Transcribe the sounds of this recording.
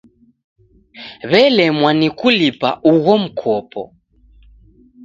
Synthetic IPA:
βɛlɛmwanikulipa̰ʔuɣɔm̩kʰɔpɔ̰

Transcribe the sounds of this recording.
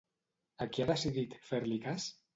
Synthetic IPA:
akiaðesiðit̪feɾlikas

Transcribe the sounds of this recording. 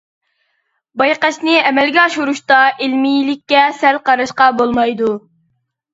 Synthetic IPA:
bɑjqɑt͡ʃnɪɛmɛlɡʲɛɑʃuɾuʃt̪ɑʔelmijilɪkʲːɛsɛlqɑɾɑʃqɑbolˠmɑjd̪u

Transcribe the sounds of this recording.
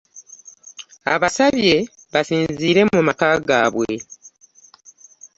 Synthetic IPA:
a̰βasaβje̞ | βasiːnziːɾe̞mumakaːɡa̰ːβwe̞

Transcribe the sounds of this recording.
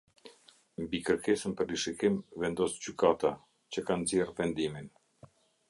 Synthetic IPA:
mbikəɾkɛsənpəɾliʃikimvɛnd̪ɔsɟykat̪a | t͡ɕəkanzjɛrvɛnd̪imin

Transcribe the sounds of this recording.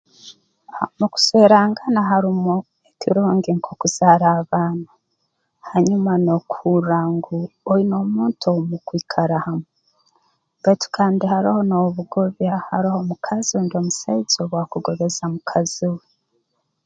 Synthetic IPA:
muku̥seɾaŋɡanaɦaɾimo | ekiɾoːŋɡiŋkʰokuz̥aɾaːβaːna | haɲumano̞kʰuɾaŋɡuoino̞muːntʰomukwiːkʰaɾahame | batu̥kʰaːndihaɾiho̞noβuɡoβjahaɾiho̞mukʰazindio̞musaizoβwakuɡo̞βe̞zamukʰaziwe

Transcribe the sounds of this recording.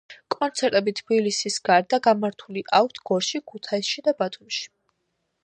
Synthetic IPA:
kʼɔnt̪sʰɛɾt̪ʼɛbit̪ʰbilisisɡaɾd̪aɡamaɾt̪ʰuliʔak̚ʰt̪ʰɡ̥ɔɾʃikʰut̪ʰaisʃid̪abat̪ʰumʃi̥

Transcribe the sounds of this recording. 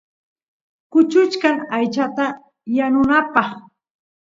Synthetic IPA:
kʊt͡ʃʊt͡ʃkaŋajt͡ʃat̪a | janʊnapɑχ

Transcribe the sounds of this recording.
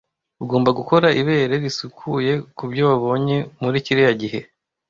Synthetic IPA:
uɡo̞ːmbaɡuko̞ɾaʔiβe̞ːɾe̞ɾisukʰuje̞kubɟoβaβo̞ɲe̞muɾiciɾejaɟiɦe̞

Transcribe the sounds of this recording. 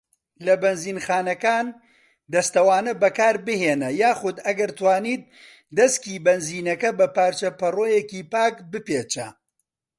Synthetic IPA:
lɐbɐnziːnxaːnɐkaːn | d̪ɐst̪ɐwaːnɐbɐkaːɾbɨheːnɐjaːxʊd̪ɐɡɐɾt̪waːniːt̪̚ | d̪ɐskiːbɐnziːnɐkɐbɐpaːɾt͡ʃɐpɐroːjeciːpaːkbɨpeːt͡ʃɐ

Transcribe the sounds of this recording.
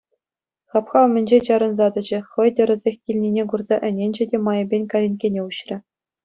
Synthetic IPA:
xɑpχɑ̆mʲɘ̆nʲd͡ʑet͡ɕɑɾɤ̆nzɑd̪ɤ̆d͡ʑɘ̆χɤ̆jd̪ʲɤ̆ɾɤ̆zʲexʲkʲilʲnʲinʲeɡurzɑʔɘ̆nʲenʲd͡ʑɘ̆dʲemɑjɤ̆bʲenʲkɑlʲenʲkʲenʲeuɕrʲɘ̆

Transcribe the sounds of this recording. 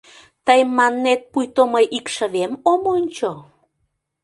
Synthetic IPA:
t̪əjmɑnːet̪̚pujt̪oməjʔikʃəβemomonʲt͡ɕo

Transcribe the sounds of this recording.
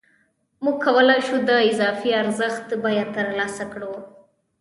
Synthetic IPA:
muɡ̚kʰawəlɑjʃud̪əɪzɑfiaɾzəxt̪bɑjat̪əɾlɑsakɽo

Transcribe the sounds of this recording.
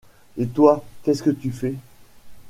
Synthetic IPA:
et̪wakʲɛskət̪yfɛ

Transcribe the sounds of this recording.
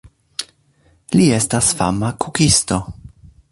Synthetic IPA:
lie̞stasfa̰makukisto̞

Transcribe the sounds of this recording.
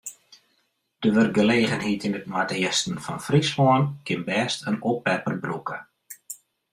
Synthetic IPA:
d̥əʋər̚ɡəleːɣənhitinətmatəɪstən̩fɔnfrisʋɔənkʰɪnbɛːstʰənopɛpərbrukə

